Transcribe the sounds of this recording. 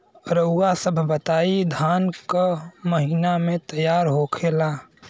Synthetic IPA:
ɾəʊasəbʱbət̪aːid̪ʱaːnkaməɦiːnamẽt̪əjaːɾɦoːkʰeːlaː

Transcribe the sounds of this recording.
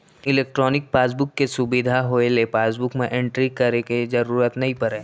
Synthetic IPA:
ɪleːk̚ʈɾɔːnɪk̚paːs̬bʊkːesʊbɪd̪ʱaɦoelepaːsbʊkmẽʔẽɳʈɾikɐɾeked͡ʒɐɾuːɾət̪nɐɦĩpɐɾẽː

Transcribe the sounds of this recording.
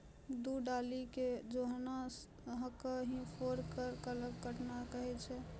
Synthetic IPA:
d̪uɖaliked͡ʒoɦna | ɦəkəɦĩpʰoɾkəɾkələɡɡəʈnakəɦɛt͡ʃʰɛ

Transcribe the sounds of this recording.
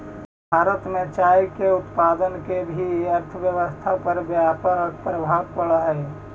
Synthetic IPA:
bʱaːɾət̪mẽt͡ʃajkeʊt̪pad̪ənkebʱiəɾt̪ʰəʋjəʋəst̪ʰapəɾbjapək̚pɾəbʱabpəɭae

